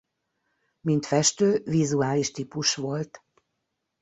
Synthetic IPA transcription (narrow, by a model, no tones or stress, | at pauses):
mint̪fɛʃt̪øːvizuaːliʃt̪iːpuʃʋo̞lt̪